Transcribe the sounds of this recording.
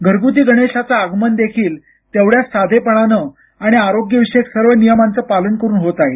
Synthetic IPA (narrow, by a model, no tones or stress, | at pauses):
ɡʱəɾɡut̪̬iːɡəɽ̃eɕat͡saːɡmənd̪ekʰiːl | t̪eʋɽjasad̪ʱepəɽ̃anə | aɽ̃iaɾoɡjəʋiɕeeksəɾʋənijəmãnt͡səpalənkəɾuːnɦot̪ae